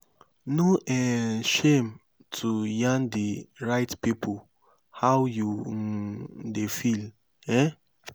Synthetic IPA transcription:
noʔɛʃem | tʰujãndiɹaɪtpipʰu | hawju | defil | ɛ

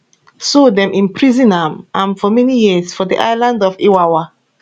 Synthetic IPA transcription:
sodɛ̃mʔĩnpɹizĩnãmãnfɔmɛnijisfɔdiʔaɪlãndɔfiwawa

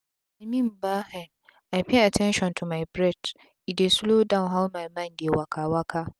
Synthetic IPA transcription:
ĩmĩmbaːhɛ̃n | ajpʰeatʰɛ̃nʃɔ̃ntʰumajbɾɛd | idesulodãnɦawmãjmãndewakʰawakʰa

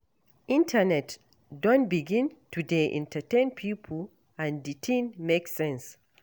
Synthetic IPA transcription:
ʔĩntʰənɛt | dɔ̃nbiɡĩntudeʔḭ̃ntʰətẽnpʰipʰul | ãnditʰĩnmeksɛ̃ns

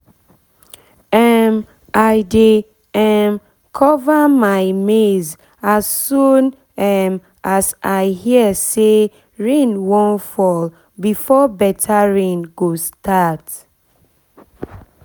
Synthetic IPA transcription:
ɛm | aɪde | ɛm | kʰɔvamaɪmez | asːũn | ɛm | asaɪhiəse | ɹẽnwɔ̃nfɔl | bifɔbɛtʰaɹẽnɡostʰat

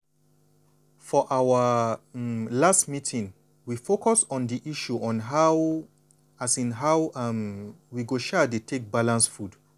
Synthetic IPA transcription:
fɔʔawə | lastmitʰĩŋ | wifokʰɔsɔ̃ndiʔiʃuʔɔ̃nɦaʊ | asĩnɦawamwiɡoʃɛdetʰek̚balãnsfud

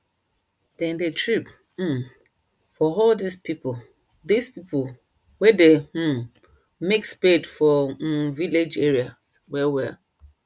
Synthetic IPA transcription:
d̥ɛ̃ndetʰɹip̩ | fɔɔldispipo | dispipo | wɛde | mekspedfɔviled͡ʒɛɹia | wɛwia

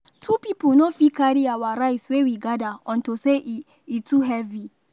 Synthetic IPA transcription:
tʰupiːpʊnofikaɾiawaɾajswewiɡadaʔɔ̃ntoseʔ | itʰuɦɛvi

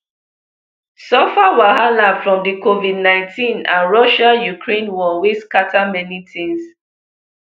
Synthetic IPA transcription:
sɔfawahalãfɹɔ̃mdikovidnãɪ̃ntʰĩnã̰nɹɔʃajukʰɹẽnwɔweskatʰamɛnitʰĩns

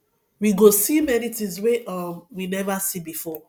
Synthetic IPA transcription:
wiɡosimɛnitĩzweɔmwinɛvasibifɔ

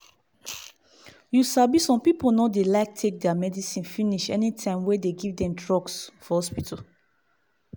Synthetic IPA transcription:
jusabisɔ̃mpipolnɔdelaɪk̚tʰek̚dɛamɛdisĩnfiniʃɛnitʰãɪ̃mwɛdeɡivdɛ̃mdɹɔɡsfɔhɔspitʰal

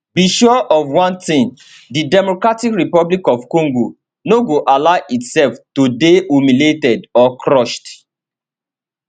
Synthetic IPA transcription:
biʃuʔɔvwãntĩn | didɛmokɹatikɹipɔblikɔvkɔ̃ŋɡo | noɡoʔalaɪʔitsɛlftodeumiletɛdɔkʰɹɔʃt

